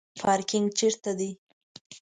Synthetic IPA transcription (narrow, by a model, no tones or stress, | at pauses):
pʰɑɾkɪŋɡt͡ʃeɾt̪ad̪i